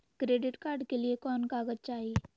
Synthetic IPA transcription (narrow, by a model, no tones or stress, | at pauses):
kɾeːɖɪʈkaːɾɖkeliekɔːnkaːɡəd͡ʒ̚t͡ʃaːɦie